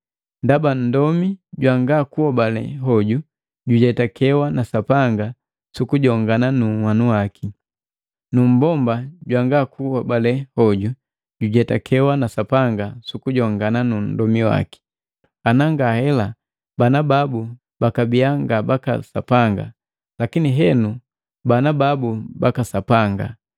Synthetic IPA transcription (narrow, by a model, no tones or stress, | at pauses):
ndaban̩dɔmiɟwaŋɡakuhɔbalɛ̰ɦɔɟu | ɟuɟɛtakɛwanasapaŋɡa | sukuɟɔŋɡananumwanuwaki | num̩bɔmbaɟwaŋɡakuhɔbalɛhɔɟu | ɟuɟɛtakʰɛwanasapaŋɡasukuɟɔŋɡananun̩dɔmiwa̰ki̥ | anaŋɡahɛla | banababu | bakabijaŋɡabaka̰sa̰paŋɡa̰ | lakiniɦɛnu | banababubakasapaŋɡa̰